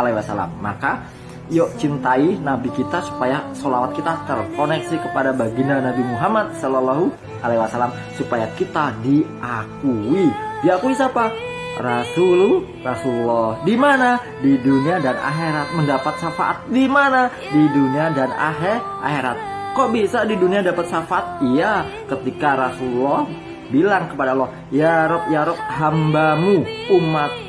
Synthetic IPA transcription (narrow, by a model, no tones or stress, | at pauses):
alewasala̰mːa̰ka | jɔʔt͡ʃint̪ainabikit̪asu̥pajasolawat̪̚kit̪at̪ərkonɛksikəpadabaɡinanabimuɦamad̪̚sɔlɔlaɦu | ʔalaiwasalam | supajakit̪adiʔakuidiakuisapa | rasulu | rasululːɔhdimana | diduniadana̰ɦeɾat̪̚məndapat̪̚safaʔa̰t̪̚dimana | diduniadana̰ɦeʔa̰heɾa̰t̪̚kɔʔbisadiduniadapat̪safaʔat̪̚ijakət̪ikaɾasulɔh | bilaŋkəpadaalːɔh | jaɾɔp̚jaɾɔp̚hambamuumat̪̚